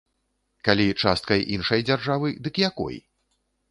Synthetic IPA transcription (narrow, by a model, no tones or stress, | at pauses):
kalʲit͡ʂast̪̚kɐjʔinʂɐjd͡zʲarʐavɨd̪ɨkjakɔ̰j